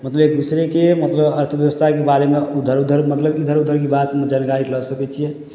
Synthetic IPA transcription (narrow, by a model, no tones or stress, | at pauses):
mət̪ləbek̚d̪usɾẽkemət̪ləbəɾt̪ʰəʋjəwəst̪ʰakebaɾemeud̪ʱəɾud̪ʱəɾmət̪ləbid̪ʱəɾud̪ʱəɾkebat̪md͡ʒankaɾiləsəkɛt͡ʃʰijɛ